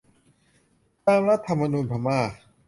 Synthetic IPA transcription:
t̪aː˧mɾa˦˥t̪ʰːa˧mːa˧nuː˧npʰa˧maː˥˩

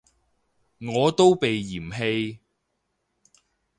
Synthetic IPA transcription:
ŋɔː˨˧t̪o˥wpe˨jːiː˨˩mɦe˧j

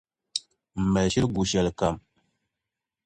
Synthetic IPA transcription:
m̩˨mɛ˨lʃi˦lɡu˨ʃa˨lka˨m

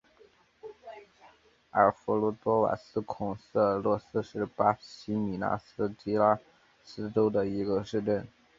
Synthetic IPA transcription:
ə˨˩fu˧˥lu˥t̪wɔ˥wa̰˨˩sɹ̩˥kʰʊ˨˩ŋsɤ˥˩˥lwɔ˥˩sɹ̩˥ʂɻ̩˥˩pa˥ɕi˥mi˨˩na̰˥s̩˥t͡ɕi˥la˥ | sɹ̩˥ʈ͡ʂo˥ʊd̪ə˨i˧˥ɡə˧ʂɻ̩˥˧ʈ͡ʂə˥˩n

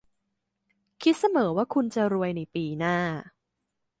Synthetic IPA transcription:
kʰi˦˥t̪̚sa˧mɤː˩˦waː˥˩kʰu˧nt͡ɕa˨ɾu˧əjna˧˩jpiː˧naː˥˩

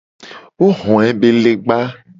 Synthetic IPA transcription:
wo˦ɦɔ̃˨ɛ˦be˦le˦ɡ͡ba˦

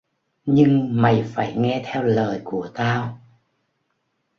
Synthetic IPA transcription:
ɲɨ˧ŋma˨˩jfaː˧˩jŋɛ˧t̪ʰɛ˧wləː˨˩jku˧˩ət̪aː˧w

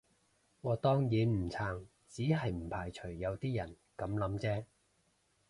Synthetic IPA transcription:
ŋɔː˨˧t̪ɔː˥ŋjiː˨˥nm̩˨˩t͡sʰaː˨˧ŋ | t͡siː˨˥ɦɐ˨jm̩˨˩pʰaː˨˩jt͡ʃʰɵ˨˩ɥːɐ˨˧wt̪iː˥jɐ˨˩n | kɐ˨˥mlɐ˨˥mt͡sɛː˥

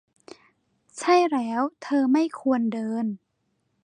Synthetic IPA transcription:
t͡ɕʰa˥˩jlɛː˦˥wt̪ʰɤː˧ma˥˩jkʰu˧əndɤː˧n

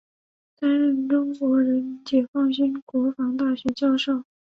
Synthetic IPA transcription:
t̪a˥nɻə˥˩nʈ͡ʂʊ˥ŋkwɔ˧˥ɻə˧˥n˥nt͡ɕjɛ˨˩fɑ˥˩ŋɕi˥nkwɔ˧˥fɑ˧˥ŋt̪a˥˩ɕɥɛ˧˥t͡ɕjɑ˥˧ʊʂo˥˩ʊ

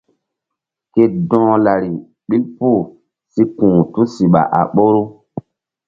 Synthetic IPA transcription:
ke˦dɔ̃ː˦la˨ɾi˨ | ɓi˦lpu˦˨ | si˦kũː˨tu˦si˨ɓa̰˨ʔa̰˨ɓo˦ɾu˦

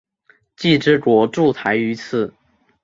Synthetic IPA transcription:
t͡ɕi˥˩˧ʈ͡ʂɻ̩˥˩kwɔ˧˥ʈ͡ʂu˥˩t̪ʰa˧˥ɪy˧˥t͡sʰɹ̩˥˩

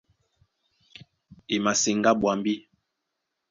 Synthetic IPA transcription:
e˨ma˨se˨ŋɡa˦ɓwa˨mbi˦

